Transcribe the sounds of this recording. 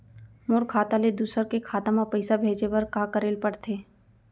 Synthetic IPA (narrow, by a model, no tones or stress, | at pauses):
moːɾkʰaːt̪aled̪uːsəɾkekʰaːt̪amapɐɪsabʱeːd͡ʒepɐɾkaːkəɾeːlpɐɽt̪ʰeː